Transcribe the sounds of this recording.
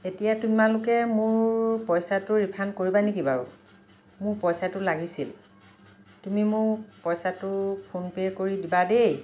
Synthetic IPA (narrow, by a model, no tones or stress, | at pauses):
etijatumalʊkɛmʊɹpɔjsatʊɹipʰankoɹibanekibaɹʊ̰ | mʊɹpɔjsatʊlaɡisil | tumimʊɹpɔjsatʊpʰonpekoɹidibadej